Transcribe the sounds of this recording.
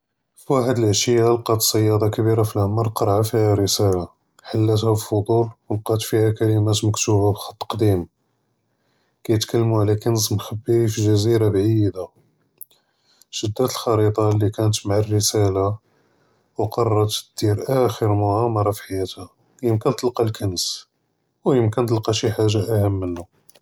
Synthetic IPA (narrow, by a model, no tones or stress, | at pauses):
fiwaħəd̪əlʕʃəjːalqɑt̪sˤːɑjːɑd̪ˤɑkəbiɾafilʔəmɑɾˤqɑɾˤʕafihæɾəsæla | ħalːæt̪hæfəlfod̪ˤulwəlqɑt̪fihækæləmæt̪məkt̪ubabxɑ̥t̪ˤːqd̪im | kæjət̪kəlːmuʕlækənəzmxəbːihifiʒæziɾabʕid̪a | ʃəd̪ːæt̪əlxɑɾit̪ˤɑlːikænət̪maʕarːəsæla | wqɑrˤːɑt̪d̪̥iɾʔæxəɾmʊʕɑmɑɾˤɑfiħajːæt̪hæ | jəmkənt̪əlqɑlkəns | wjəmkənt̪əlqɑʃiħaʒːaʔæhəmːənːu